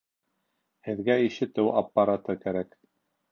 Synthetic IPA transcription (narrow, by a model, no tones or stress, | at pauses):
hɘ̆ðɡæiʃɘt̪ɘwapːɑɾɑt̪ɤkæɾæk